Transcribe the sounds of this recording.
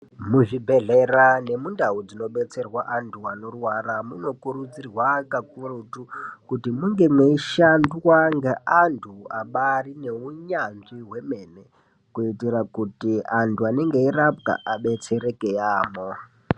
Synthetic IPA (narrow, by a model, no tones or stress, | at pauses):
muʐibʱeɮerane̞mundaud͡zino̞ɓe̞t͡se̞rwaʔantʰuano̞rwaramuno̞kuɾud͡zirwakakurotukutimuŋɡe̞mweiʃandwaŋɡaʔantʰuaɓarine̞uɲanʐiɦwe̞me̞ne̞ | kuitirakutiantʰuaneŋɡe̞irap̚ka̰ʔaɓe̞t͡se̞ɾekejaːmo